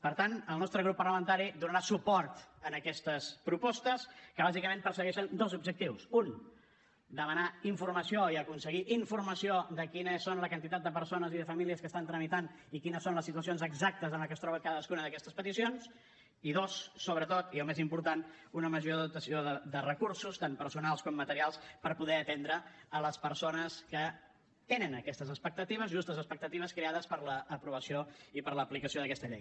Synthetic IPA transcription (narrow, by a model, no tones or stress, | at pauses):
pəɾt̪anəlˠnɔst̪ɾəɣ̞ɾupːərləmənt̪aɾid̪unəɾasupɔɾt̪ənəkɛst̪əspɾupɔst̪əskəβazikəmẽnpəɾsəɣɛʃənd̪ozubʒək̚t̪iwsun | d̪əmənaiɱfurməsioiəkunsəɣiʔiɱfurməsioðəkinəsːonləkənt̪it̪at̪̚d̪əp̬əɾsonəziðəfəmiliəskəst̪ant̪ɾəmit̪anikinəsːonləsːit̪uəs̬ionzəɡzak̚t̪əzənləkəst̪ɾɔβəkaðəskunəðəkɛst̪əspət̪isions | iðosːoβɾət̪ot̪iəlˠmezimpuɾt̪anunəməʒoðəðut̪əsioðəd̪ərəkuɾsust̪ampəɾsunalˠskɔmːət̪əɾialˠspəɾpuðɛət̪ɛnd̪ɾəələspəɾsonəskə | t̪enənəkɛst̪əzəspək̚t̪ət̪iβ̞əzʒust̪əzəspək̚t̪ət̪iβəskɾeaðəspəɾləːpɾuβəsijoipəɾləplikəsioðəkɛst̪əʎḛj